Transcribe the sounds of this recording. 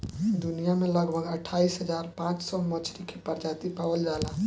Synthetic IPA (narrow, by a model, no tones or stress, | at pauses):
d̪unijamẽləɡbʱəɡəʈʰaisɦəd͡ʒaɾpãːt͡ʃsɔmət͡ʃʰɾikʰepəɾd͡ʒat̪ipawəld͡ʒaɦla